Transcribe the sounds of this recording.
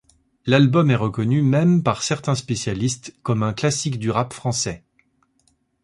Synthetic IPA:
lalbɔmɛʁəkɔnymɛmpaʁsɛʁt̪ɛ̃spesjalist̪kɔmɛ̃klasikd̪yʁapfχɑ̃sɛ

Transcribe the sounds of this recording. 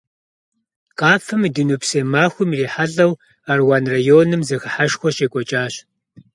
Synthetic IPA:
qɑːfɨmdɨnupseːmaːxʷʊmreːħaɮʼɐw | arwaːnrajoːnɨmzɐxɐħaʃxʷɔɕeːkʷʼɔt͡ʃʼaːɕ

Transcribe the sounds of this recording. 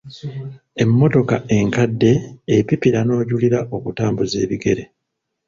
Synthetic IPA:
e̞mːo̞to̞kaʔe̞ŋkadːe̞ːpipiɾano̞ːɟuliɾaʔo̞kutaːmbuze̞ːβiɡe̞ɾe̞

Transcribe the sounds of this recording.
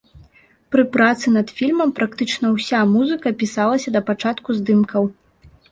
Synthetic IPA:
pɾɨpɾat̪sɨnɐt̪fʲilʲmɐmpɾak̚t̪ɨt͡ʂnɐwsʲamuzɨkɐpʲisalˠɐsʲɐd̪ɐpat͡ʂat̪kuzd̪ɨmkʰɐw

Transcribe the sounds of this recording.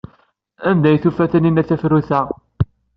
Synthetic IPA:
ænd̪æjθufæθəninæθæfɾuθæ

